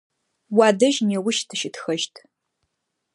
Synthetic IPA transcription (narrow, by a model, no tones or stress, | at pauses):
wadɨʒnewʊʃtʰɨʃɪtxɐʒtʼʰ